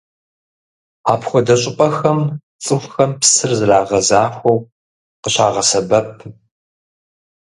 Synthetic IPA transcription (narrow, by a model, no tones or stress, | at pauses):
aːpxʷɔdɐɕʼɪpʼɐxɐm | t͡sʼɨxʷxɐmpsɨrzɨraːʁɐzaːxʷɐw | qəɕaːʁɐsɐbɐp̚ʰ